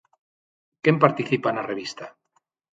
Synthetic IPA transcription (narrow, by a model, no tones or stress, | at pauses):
kempaɾt̪iθipanareβist̪a